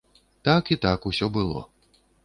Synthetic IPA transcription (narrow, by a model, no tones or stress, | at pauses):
t̪akit̪akusʲɔbɨlˠɔ̰